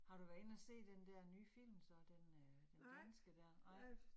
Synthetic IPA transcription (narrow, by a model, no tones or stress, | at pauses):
hɑ̈ɾ̥uʋæːɐe̝næse̝̰ːd̥end̥æɐ̰nyːfil̰msɒ̽d̥end̥end̥ænsɡ̥əd̥æɐnɑɪ̰